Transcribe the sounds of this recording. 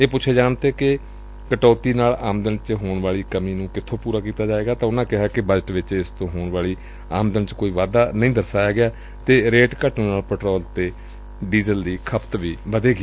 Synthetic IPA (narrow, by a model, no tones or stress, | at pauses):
eːpʊt͡ʃːʰeːd͡ʒaːnt̪eːkɪ | kəʈɔːt̪iːnaːlaːmd̪ənt͡ʃɦoːɳʋaːɭiːkəmiːnũːkɪt̪ʰːõːpuːɾaːkiːt̪aːd͡ʒaːeːɡaːt̪ãːʊnãːkɪɦaːkɪbəd͡ʒəʈʋɪt͡ʃɪst̪õːɦoːɳʋaːɭiː | aːmd̪ənt͡ʃkoːiːʋaːd̪aːnəĩːd̪əɾsaːjaːɡɪaː | t̪eːɾeːʈkəʈnũːnaːlpəʈɾɔːlt̪eː | ɖiːzəld̪iːkʰəpʰt̪ʋiːʋəd̪eːɡi